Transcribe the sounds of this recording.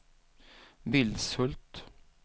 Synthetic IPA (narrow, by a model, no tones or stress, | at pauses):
ʋɪld̪sɵlt̪